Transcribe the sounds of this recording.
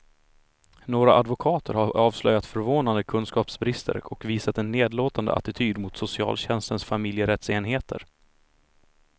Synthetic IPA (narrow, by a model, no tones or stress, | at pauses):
noːɾaʔad̪vʊkʰɑːt̪ʰəɾhaɑːvslœjat̪fœɾvoːnand̪əkʰɵnskɑːpsbɾɪst̪ʰə̰ɾɔkviːsat̪ɛnːeːd̪loːt̪and̪ə̰ʔa̰t̪ɪt̪ʰyːd̪mʊt̪sʊsɪɑ̰ːlɕɛnst̪ənsfamɪljəɾɛt̪seːnɦeːt̪ʰə̰ɾ